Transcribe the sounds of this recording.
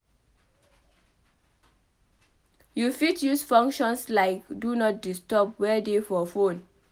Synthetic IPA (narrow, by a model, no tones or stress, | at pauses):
jufitjusfɔ̃ŋkʃɔ̃nslaɪkdunɔt̚distɔpwɛdefɔfõn